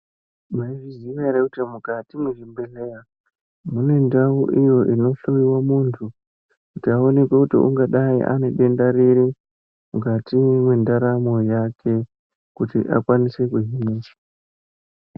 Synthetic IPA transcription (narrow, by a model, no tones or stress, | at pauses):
maiʐiziʋaɾekutimukatimuʐimbeleja | mune̞ndauʔijo̞ʔino̞ɬuwiwamuntʰu | kutiao̞ne̞kwekutḭṵŋɡaɗaḭʔa̰ne̞ɓe̞ndaɾiɾi | mukatimwe̞ndaɾamo̞jakʰe̞ | kutḭʔa̰kwanise̞kuɦimiːt͡ʃḁ